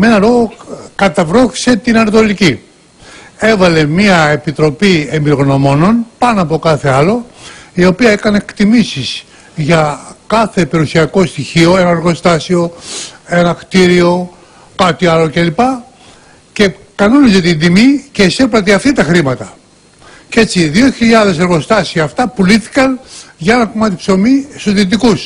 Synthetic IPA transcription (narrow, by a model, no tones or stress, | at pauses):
me̞nɐɾo̞ɣokɐt̪ɐvɾo̞θi̥se̞t̪inɐnɐt̪o̞lici | e̞vɐle̞miɐepit̪ɾo̞pie̞mbiɾo̞ɣno̞mo̞no̞npɐnoɐpo̞kɐθe̞ɐlo̞io̞piɐekɐnekt̪imisiz | ʝɐkɐθe̞pe̞ɾusiɐko̞st̪içio̞e̞nɐnɐɾɣo̞st̪ɐsio̞e̞nɐkt̪iɾio̞ | kɐt̪iɐlo̞ce̞lipɐ | ce̞ | kɐno̞nezɐt̪ind̪imice̞sepɾɐt̪̬eɐft̪it̪ɐxɾimɐt̪ɐ | ce̞t͡siðioçiʎɐðe̞seɾɣo̞st̪ɐsiɐːft̪ɐpuliθi̥kɐnʝɐe̞nɐkomɐt̪ipso̞misoðit̪ikus